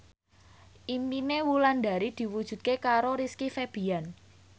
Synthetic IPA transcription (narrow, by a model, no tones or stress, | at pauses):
ʔiminewuland̪a̤ɾid̪̥i̤wud̥ʒ̥ṳt̪̚kekaɾoɾiskifeb̥i̤an